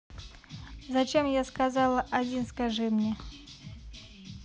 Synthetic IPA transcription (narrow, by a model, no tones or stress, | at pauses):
zɐt͡ɕemjaskazɑlˠəʔɐdʲinskaʐɨmnʲe